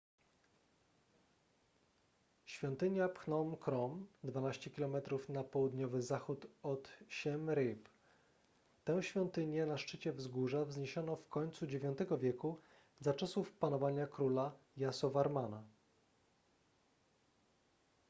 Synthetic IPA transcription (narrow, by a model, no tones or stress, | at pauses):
ɕfʲjɔnt̪ɘɲjapxnɔmkɾɔmd̪vanaɕt͡ɕɛkʲilɔmɛt̪ɾufnapɔwud̪ɲɔvɘzaxut̪ɔt̪ɕɛmɾɘp | t̪ɛw̃ɕfʲjɔnt̪ɘɲɛnaʂt͡ʂɘt͡ɕɛvzɡuʐavzɲeɕɔnɔfkɔɲt̪sud͡ʑevʲjɔ̃nt̪ɛɡɔvʲjɛku | zat͡ʂɔsufpanɔvaɲakɾula | jasɔvaɾmana